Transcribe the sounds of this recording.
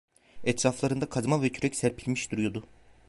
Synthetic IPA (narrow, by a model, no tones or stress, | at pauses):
ɛt̪ʰɾaflˠaɾɯnd̪akʰazmanvɛcʰyɾɛcsæɾpʰilʲmiʃd̪uɾujo̞d̪ʊ